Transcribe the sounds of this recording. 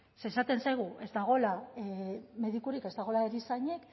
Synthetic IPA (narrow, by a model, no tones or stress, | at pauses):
se̞ːsat̪e̞nsajɣ̞uʔe̞zd̪aɣ̞o̞la | me̞ðikuɾike̞zd̪aɣ̞o̞laeɾisaɲe̞k